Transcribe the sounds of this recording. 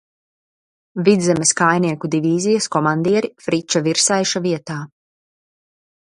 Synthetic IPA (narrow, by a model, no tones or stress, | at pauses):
vid̪zɛmeskajniɛkud̪iviːzijaskɔmand̪iɛɾifɾit͡ʃaviɾsajʃaviɛt̪aː